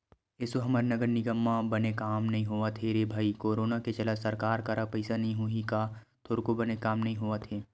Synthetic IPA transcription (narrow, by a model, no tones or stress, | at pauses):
ɪsoɦɐməɾnɐɡəɾnɪɡəmːãbɐnekaːmnɐɦĩɦoat̪ʰeɾeːbʱaːikoːɾoːnaket͡ʃɐlasɐɾkaːɾkaɾapɐɪsanɐɦĩɦuɦika | t̪ʰoːɾkobɐnekaːmnɐɦĩɦoat̪ʰeː